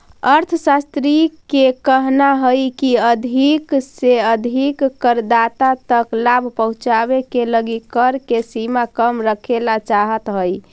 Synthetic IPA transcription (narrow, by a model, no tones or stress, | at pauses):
əɾt̪ʰsast̪ɾikekəɦnaɦəjkiəd̪ʱikseəd̪ʱikːəɾd̪at̪at̪əklabʱpəɦũt͡ʃabekeləɡikəɾkesimakəmɾəkʰelat͡ʃaɦət̪ɦəj